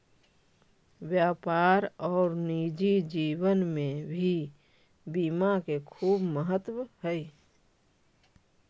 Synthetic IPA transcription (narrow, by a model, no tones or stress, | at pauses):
wjaːpaːɾɔːɾniːd͡ʒid͡ʒiːwənmẽbʱi | biːmakekʰuːbməɦət̪wəhɛi